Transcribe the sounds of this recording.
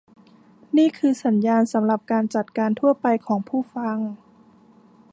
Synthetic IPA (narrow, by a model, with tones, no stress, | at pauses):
niː˥˩kʰɯː˧sa˩˦njaː˧nsa˩˦mɾa˨˩p̚kaː˧nt͡ɕa˨˩t̪̚kaː˧nt̪ʰu˥˩ɐpa˧jkʰɔː˩˦ŋpʰuː˥˩fa˧ŋ